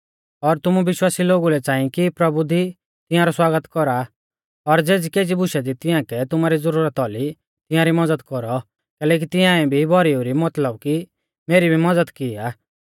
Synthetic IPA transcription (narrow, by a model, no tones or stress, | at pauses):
ɔɾt̪ʊmuʋɪʃwaːsiloːɡulɛt͡ʃãːĩkipɾɐbud̪ʱi | t̪ɪ̃jãɾɔswaːɡət̪kɔɾa | ɔɾd͡zeːd͡zikeːd͡ʒibʊʃɛd̪it̪ɪjãkɛt̪ʊmaɾizəɾuɾət̪ɔli | t̪ɪ̃jãɾimɐd͡zəd̪kɔɾɔ | kɛːlɛːk̬it̪ɪjãɛ̃bʱibʱɔɾiuɾimɐt̪ləb̚ki | meːɾibʱimɐd͡zəd̪kɪaː